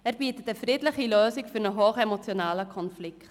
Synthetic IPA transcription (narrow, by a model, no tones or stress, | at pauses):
ɛɾbiːtətəfɾɪːdlɪχiløːsikfʏɾnəɦoːχɛmot͡sjonaːləkʰɔnflɪkt